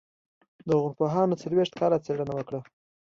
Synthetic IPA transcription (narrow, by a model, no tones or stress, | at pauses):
d̪əɣʊɾpoɦɑnot͡salweʂt̪̚kɑlat͡seɽənawəkɽa